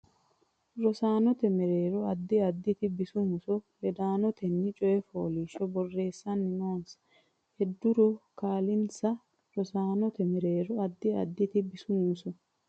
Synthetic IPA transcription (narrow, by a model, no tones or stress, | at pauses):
ɾɔsaːnɔt̪ɛmɛɾeːɾɔɐd̪ːɪɐd̪ːɪt̪ɪbɪsʊmʊsɔlɛd̪aːnɔt̪ɛnːɪt͡ʃʼɔjɛfo̰ːliːʃɔbɔrːe̞ːsːɐnːɪnoːns | hɛd̪ːʊɾɔkaːlɪnsɐ | ɾɔsaːnɔt̪ɛmɛɾeːɾɔɐd̪ːɪɐ̰d̪ːɪt̪ɪbɪsʊmusɔ